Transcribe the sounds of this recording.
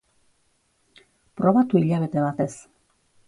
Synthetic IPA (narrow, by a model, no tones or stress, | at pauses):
pɾo̞βat̪uiʎaβe̞t̪e̞βat̪e̞s